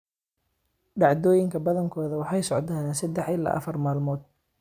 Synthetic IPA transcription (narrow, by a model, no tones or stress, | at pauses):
ɖɑʕd̪ɔːjɪŋkʰɐbɐðɐŋkʰɔːðɐwɑħɑjsɔʕt̪aːnsɐd̪ɛħɪla̰ːʔɐ̰fɐrmaːlmɔːd̪̚